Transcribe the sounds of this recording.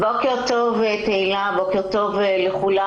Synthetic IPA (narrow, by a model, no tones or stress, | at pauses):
bokeʁt̪ovet̪eilabokeʁt̪o̞vleχula